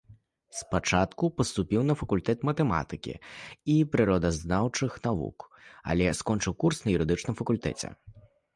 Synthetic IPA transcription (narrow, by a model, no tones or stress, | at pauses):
spat͡ʂat̪kupɐst̪upʲiwnɐfɐkulʲt̪ɛt̪mɐt̪ɛma̰t̪ɨkʲḭipɾɨɾɔd̪ɐznawt͡ʂɨxnavṵka̰lʲɛskɔnt͡ʂɨwkursnɐjuɾɨd̪ɨt͡ʂnɨmfɐkulʲt̪ɛ̰t͡sʲɛ̰